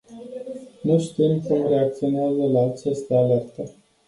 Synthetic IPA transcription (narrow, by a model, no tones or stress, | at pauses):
nuʃt̪imkumɾe̞ak̚t̪sio̞neazəlaːt͡ʃest̪eale̞rt̪ə